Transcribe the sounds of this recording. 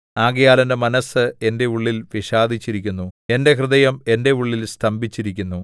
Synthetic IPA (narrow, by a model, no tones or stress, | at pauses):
aːɡɐjaːlɐnde̞mɐnɐsɨe̞nde̞uɭːilʋiʂaːd̪ʱit͡ɕːiɾikʲːunːue̞nde̞ɦrɨðɐjɐme̞nde̞uɭːilst̪ʰɐmbʱit͡ɕːiɾikʲːunːu